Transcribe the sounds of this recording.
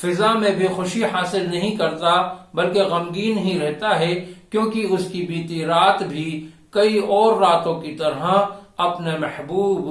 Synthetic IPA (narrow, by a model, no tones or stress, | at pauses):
fɪzamẽbʱixʊʃiɦaːsɪlnɐɦĩkɐɾt̪abɐlkeɣɐmɡiːnɦĩɾɛɦt̪aɦɛkjõːkiʊskibiːt̪iɾaːt̪bʱi | kɐiɔːɾːaːt̪õkit̪ɐɾɦaɐpnemɛhbuːb